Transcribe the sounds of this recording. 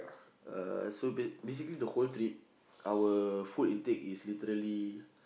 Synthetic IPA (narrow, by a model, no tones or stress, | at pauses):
ə̰sobebes̬iklidəholt̪ɾip̚ | ʔawəfulĩntɛkislit̪əɾəli